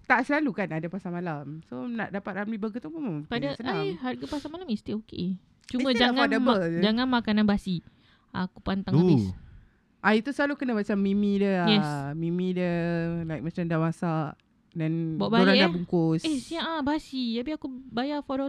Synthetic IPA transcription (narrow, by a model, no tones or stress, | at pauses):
t̪aʔsəlalukanadapasamalamsona̰ʔdapat̪̚ʔamibəkət̪uməmpadasənaɦarɡapasamalamist̪iokḛ | t͡ʃumə̃d͡ʒaŋaadəmbəd͡ʒaŋanmakananbasi | akupant̪aŋabis | ʔait̪usəlalukənamat͡ʃamːimĩdəjɛsmimidəlajk̚mat͡ʃamdawasaʔ | danbaʔbaoɾaŋjdabuŋkʊsesiaʔabasit̪apiakubajafoɾɔ